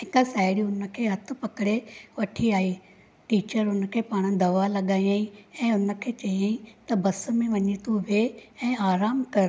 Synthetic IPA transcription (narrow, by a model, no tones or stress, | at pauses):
ɦɪkasaːɪɽiʊnəkʰeːɦɐt̪ʰpɐkɽeʋɐʈʰiaːiː | ʈiːt͡ʃəɾʊnkʰeːpaːɽ̃d̪ɐʋalɐɠaːĩaːĩɛ̃ːʊnəkʰeːt͡ʃɐiaːĩt̪ɐbɐsmẽʋɐɲit̪ũʋeɛ̃ːaːɾaːmkɐɾ